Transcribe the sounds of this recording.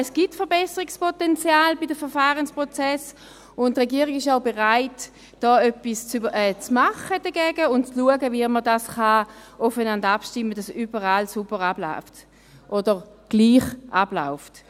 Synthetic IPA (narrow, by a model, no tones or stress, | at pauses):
ɛsɡ̥itfəʁbɛsəʁikspɔtɛnt͡sjaːlbidəfəɐʁfaːʁənspʁɔt͡sɛs | ʊntʁɛɡiːəʁiɡɪʃaʊbeʁaɪt | d̥ɔːœpist͡sɛt͡smaχəd̥əɡɛːɡəʊntt͡sluəɡəviəmədasχaʔɔfənandapʃtɪmːəd̥asybəʁaːlsubəʁabla̰ʊft | ʔodəʁ | ɡ̥liːχʔabla̰ʊft